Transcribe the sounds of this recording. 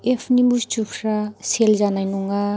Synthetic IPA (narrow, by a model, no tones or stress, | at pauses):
epʰnimbust͡ʃukʰɾaselzanajnuŋa